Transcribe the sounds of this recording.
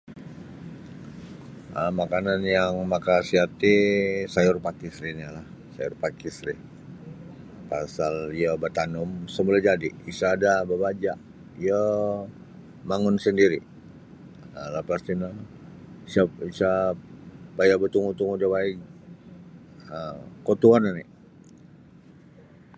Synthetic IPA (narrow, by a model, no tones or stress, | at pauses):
əmakananjaŋmakasiat̪isajʊrpakisɾiɲalah | sa̰jʊrpakisɾi | pasaliəbət̪anʊmsəmulad͡ʒadiːsaːdabəbad͡ʒaʔ | iə | maŋʊnsəndiɾi | əlapast̪ina | isaisa | pajabət̪uŋut̪uŋudabai | əkot̪uanani